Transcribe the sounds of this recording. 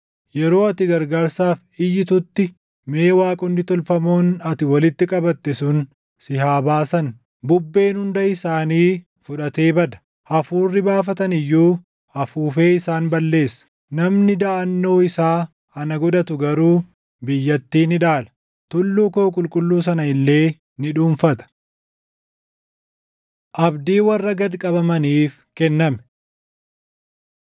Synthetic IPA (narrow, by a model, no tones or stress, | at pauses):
jɛɾo̞ːɐt̪ɪɡɐɾɡaːɾsaːf | ɪjːɪt̪ʊt̪ːɪ | me̞ːwaːkʼʊnːɪt̪ɔlfɐmoːnɐt̪ɪwɐlɪt̪ːɪkʼɐbɐt̪ːɛsʊn | sɪhaːbaːsɐn | bʊbːe̞ːnhʊnd̪ɐɪsaːniː | fʊᶑɐt̪e̞ːbɐd̪ɐ̥ | ɐfuːrːɪbaːfɐt̪ɐnɪjːuː | ɐfuːfe̞ːɪsaːnbɐlːe̞ːsːɐ̥ | nɐmnɪd̪ɐʔɐnːo̞ːɪsaː | ɐnɐɡɔd̪ɐt̪ʊɡɐɾuː | bɪjːɐt̪ːiːnɪᶑaːlɐ̥ | t̪ʊlːuːkoːkʼʊlkʼʊlːuːs̬ɐnɐɪlːe̞ː | nɪᶑuːɱfɐt̪ɐ̥ | ʔɐbd̪iːwɐrːɐɡɐd̪kʼɐbɐmɐniːf | kɛnːɐmɛ̥